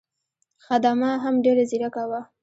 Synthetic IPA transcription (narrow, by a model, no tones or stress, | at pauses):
xad̪amaɦamɖeɾaziɾakawa